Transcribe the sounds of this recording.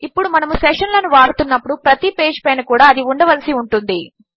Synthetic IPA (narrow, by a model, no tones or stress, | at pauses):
ipːuɽumɐnɐmusɛʂɐnlɐnuʋaːɽut̪unːɐpːuɽupɾɐt̪ipe̞ːd͡ʒpɐjnɐkuːɽaːɐd̪iuɳɖɐʋɐlɐsiuɳʈund̪i